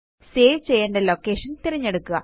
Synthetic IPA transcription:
seːʋt͡ɕejːeːɳɖeloːkːeːʂɐnt̪iɾɐɲːeɽukːuɣɐ

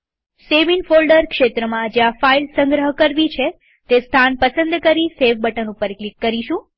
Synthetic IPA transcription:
seʋinfolɖəɾkʃet̪ɾəmãd͡ʒeãfailsəŋɡɾəɦkəɾʋit͡ʃʰe | t̪est̪ʰanpəsənd̪kəɾiseʋbəʈənũpəɾklikːəɾiʃũ

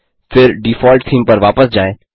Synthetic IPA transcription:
fʰɪɾɖifɔːlʈ̚ʈʰiːmpɐɾʋaːpəsd͡ʒaːẽː

